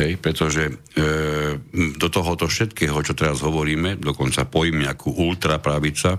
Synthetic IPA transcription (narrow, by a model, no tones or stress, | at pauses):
ɦɛjpɾɛt̪ɔʒɛ | d̪ɔt̪ɔɦɔt̪ɔfʃɛt̪kɛːɦɔt͡ʃɔt̪ɛɾazɦɔʋɔɾiːmɛd̪ɔkɔnt͡sapɔjmɪakʰuʔult̪ɾapɾaʋit͡sa